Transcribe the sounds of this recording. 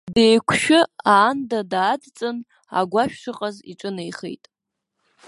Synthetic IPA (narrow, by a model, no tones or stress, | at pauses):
dejkʷʰʃᶣʊaːndadaːdt͡sʼɨn | a̰ɡʷaʃᶣʂɨqʼazḭʈ͡ʂʼɨnejχḛjtʼ